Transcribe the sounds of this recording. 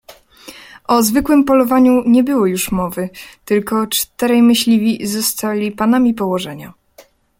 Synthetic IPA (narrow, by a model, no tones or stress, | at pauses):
ʔɔzvɘkwɘmpɔlɔvaɲuɲɛbɘwɔjuʂmɔvɘt̪ɘlkɔt͡ʂt̪ɛɾɛjmɘɕlʲivʲizɔst̪alʲipanamʲipɔwɔʐɛɲa̰